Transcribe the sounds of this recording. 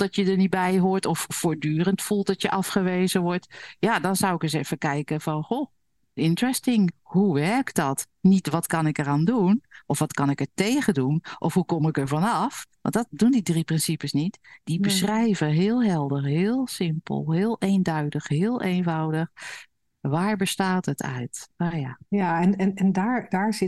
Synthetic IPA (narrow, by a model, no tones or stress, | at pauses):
d̥ɔtjədəɹnit̚bɛjɦoːɹtɔffoːɹdyːrəntfulˠt̚dɔtjəʔɑfχəʋeːzəʋɔɹtjadɔnzawɪkəs̬ɛfəkɛjkəvɔnxoː | ɪntrɛstɪŋhuʋɛɹkdɔt | nitʋɔtkɑnɪkəraːndunʔɔfʋɔtkɑnɪkəɹtejɣədunʔɔfɦukɔmɪkəɹvɔnɑfʋɑ̰ntdɔtdundidriprɪnsipəsnitd̥ibəsrɛjvəɦɪːəlˠɦɛlˠdəχɦɪːlˠsɪmpə̰lˠɦɪːlˠejndœɥdəxɦɪːlˠʔejnvɑwdəx | ʋaːɹbəstaːtətʰœ̰ɥtajajaɛnɛnɛndaːɹdaːɹzɪ